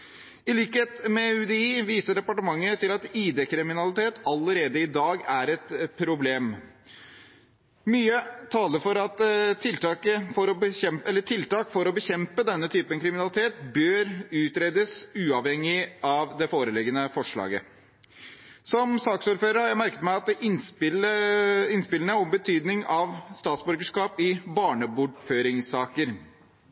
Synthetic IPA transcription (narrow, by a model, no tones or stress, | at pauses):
ɪliːkəheːt̪mɛʉd̪ɛiːʋiːsəɖɛpɑʈəmɑŋːət̪ʰɪlɑt̪iːd̪eːkɾɪmɪnɑlɪt̪ʰeːt̪ɑləɾeːd̪əɪd̪ɑːɡæɾɛt̪pʰɾʊbleːm | myːət̪ʰɑːləɾfɔɾɑt̪ʰːɪlt̪ʰɑːkəfɔɾɔbəɛmɛlːəʈʰɪlt̪ɑːkfɔɾɔbəçɛmpəd̪ɛnːət̪ʰyːpənkʰɾɪmɪnɑlɪt̪ʰeːt̪bøːɾʉːt̪ɾeːd̪əsʉːɑʋhɛŋːɪɑʋd̪ɛfoːɾəlɪɡənəfɔʂɭɑ̰ːɡə̰ | sɔmsɑːksuːɾføːɾəɾhɑɾjæmæɾkət̪mæɪɑt̪̚d̪ɛʔ̪ | ɪnspɪlənəɔmbət̪ʰyːd̪nɪŋɑʋst̪ɑːt̪sbœɾɡəʂkɑːpɪbɑːɳəbʊʈføːɾɪŋsɑːkəɾ